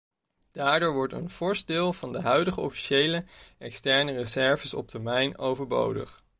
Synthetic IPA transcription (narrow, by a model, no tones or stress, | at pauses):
d̥aːɹdoːɹʋɔɹtə̰nfɔɹsdɪːlˠvɑndəɦœɥdəχəɔfi̥ʃejləʔɛkstɛɹnərəzɛɹvəsɔ̰p̚təɹmɛjnowvəɹbo̰wdə̰χ